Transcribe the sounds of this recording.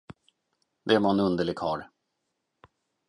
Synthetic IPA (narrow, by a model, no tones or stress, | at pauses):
d̪ɛæmanɵnd̪əɭɪɡhɑːɾ